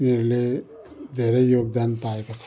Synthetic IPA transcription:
ineɾle | d̪ʱeɾejoɡd̪anpaekot͡sʰ

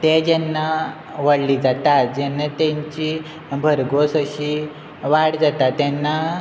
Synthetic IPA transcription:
t̪ed͡ʑɛnːa | ʋəɽliːd͡zat̪at̪̚d͡ʑɛnːat̪ɛ̃ɲt͡ɕi | bʱəɾɡosəɕi | ʋaɽd͡zat̪at̪ɛnːa

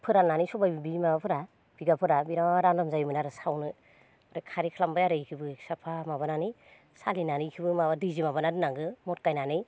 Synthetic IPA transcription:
pʰɯɾanːanisɔbajbibimabapʰɯɾa | b̥iɡapʰɯɾabiɾaɾandamzajmɯnaɾɯsawnɯ | ɾɯkʰaɾikʰalambajaɾɯjkʰibɯsapʰamaβananij | salinanɯjkʰibɯmaβadɯzimabanadɯnaŋɡɯmɔt̚kajnanɯj

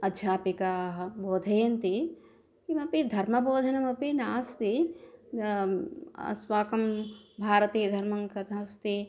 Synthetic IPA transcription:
ɐd̪d͡ʒʱjaːpikaːɦɐboːd̪ʱɐjɐnt̪i | kimɐpid̪ʱɐɾmɐboːd̪ʱɐnɐmɐpinaːst̪i | sʋaːkɐmbʱaːɾɐt̪iːd̪ʱɐɾmɐŋkɐt̪ʰast̪i

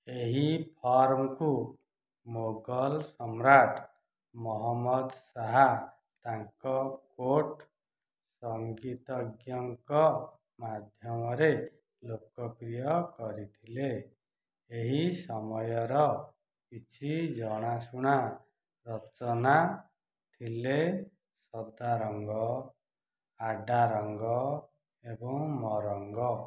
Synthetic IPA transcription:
eɦipʰʌrmku | moɡʌlsʌmraʈʰ | mʌɦʌmːʌd̪saɦa | t̪aŋkʌkoʈ | sʌŋɡit̪ʌɡjʌŋkʌ | mad̪ʱjʌmʌɾe | lokːʌprijʌkʌɾit̪ʰile | eɦisɔmɔjɔɾɔ | kit͡ʃʰid͡ʒɔɽ̃asuɽ̃a | ɾɔt͡ʃɔna | t̪ʰile | sɔd̪aɾɔŋɡɔ | aɖaɾɔŋɡɔ | ebɔ̃ŋmɔɾɔŋɡɔ

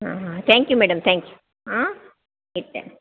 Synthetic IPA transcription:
a̰ːɦãt̪ʰæːŋkjumeːɖɐmt̪ʰæ̃ːŋkju | a | ɪʈːḛm

